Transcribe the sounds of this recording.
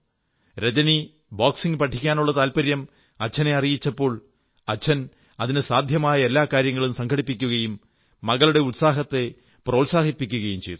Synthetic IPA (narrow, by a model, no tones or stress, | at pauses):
ɾed͡ʑɐni | baːksiŋɡɨpɐʈʰːikʲːaːnuɭːɐt̪aːlpɐɾjɐm | ɐt͡ɕʰɐne̞ɐrijit͡ɕːɐpːo̞ːɭ | ɐt͡ɕʰːɐn | ɐðinɨsaːd̪ʱjɐmaːjɐe̞lːaːkaːɾjɐŋːɐɭumsɐŋkʰɐɽipːikʲːuɣɐjumː | ɐɣɐɭuɽe̞ut̪saːɦɐt̪ːe̞ | proːlsaːɦipːikʲːuɣɐjumt͡ɕejt̪ː